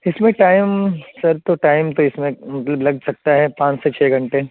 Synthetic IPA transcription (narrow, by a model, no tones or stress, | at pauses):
ɪsmẽʈaːɪmsɐɾt̪oʈaːɪmt̪oɪsmẽmɐt̪ləblɐɡsɐk̚t̪aɦɛpãːt͡ʃset͡ʃʰɛːɡʱɐ̃ɳʈe